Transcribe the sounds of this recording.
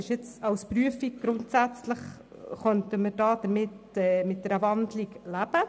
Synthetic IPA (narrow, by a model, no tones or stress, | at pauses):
ɪʃɪt͡sɑwspɾyəfiɡ̚ɡ̥ɾʊntsæt͡sləχ | χœntəməɾd̥ɑːd̥̪əɾmɪt | ɛːmɪt̚d̥ɛɾəvɑndliklæb̥ə